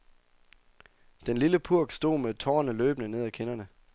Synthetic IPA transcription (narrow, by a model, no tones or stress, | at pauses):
d̥enliləpʰuɐ̰ɡ̥sd̥o̝̰ːmet͡sʰɒːnəlø̰ːb̥nəne̝ð̰ˠækʰe̝nɐnə